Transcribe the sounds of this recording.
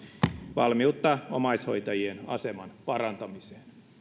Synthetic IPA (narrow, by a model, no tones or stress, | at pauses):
ʋɑlmiut̪ːɑːomɑisho̞jt̪ɑjienɑ̰semɑnpɑɾɑnt̪ɑmise̥ːn